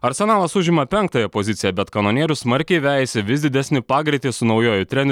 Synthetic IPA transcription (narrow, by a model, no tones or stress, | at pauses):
ɐɾʲsʲɛnɑːlˠɐsʊʒʲɪmɐpʲɛŋk̚t̪ɐjɛpozʲɪt̪sʲɪjɛbʲɛt̪kɐnoɔːnʲiɛɾʲʊsmɐɾʲkʲɛɪʋʲæːjɛsʲɪʋʲɪsd̪ʲɪd̪ʲɛsʲnʲɪpɑːɡɾʲɪt̪ʲiːsʊnɒʊjoːjʊt̪ʲɾʲɛnʲ